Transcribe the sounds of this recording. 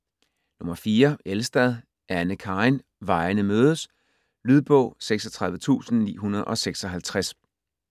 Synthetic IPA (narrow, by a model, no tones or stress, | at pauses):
nɔ̽mɐfiːɐelsd̥æð̞ˠ | ʔænəkʰɑ̈ɪn | ʋɑ̈ɪnəmøːð̞ˠəs | lyð̞ˠb̥ɔ̽ʊ̰seɡ̥sɒt͡sʰʁɑ̈ðˠʋət͡sʰṵːsn̩nḭːɦunɐð̞ˠɒ̽seɡ̥sɒ̽ɦælt͡sʰʁas